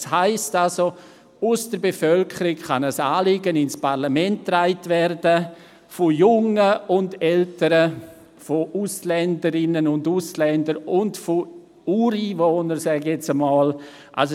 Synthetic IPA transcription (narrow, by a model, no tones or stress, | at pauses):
shaɪstalso | ʊsd̥əɾbefœlkʰəɾɪkχɑnəsaːlɪɡənɪnspʰaɾlamɛntːraɪtvɛrdə | fojʊŋəʊndɛltəɾə | foʔuslɛndəɾɪnənʊnduslɛndəɾʊndfo | uːɾiːvoːnəɾsɛɡɛt͡səmɑːl | ʔa̰ls